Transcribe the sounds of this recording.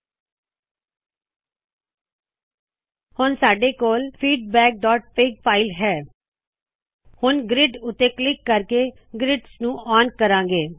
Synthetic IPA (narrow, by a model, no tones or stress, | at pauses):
hʊnsaːɖeːkoːlpʰiːɖ̚bɛːk̚ɖɔːʈ̚peːɡ̚pʰaːɪlɦɛː | hʊnɡɾɪɖʊt̪ːeːklɪkːəɾkeː | ɡɾɪɖsnũːʔaːnkəɾãːŋɡeː